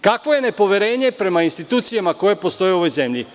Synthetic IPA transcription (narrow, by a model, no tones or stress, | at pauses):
kakʋo̞je̞ne̞po̞ʋje̞ɾe̞ːɲe̞pɾe̞mainst̪it̪uːt̪sijamako̞jepo̞st̪o̞jeo̞ʋo̞jze̞mʎi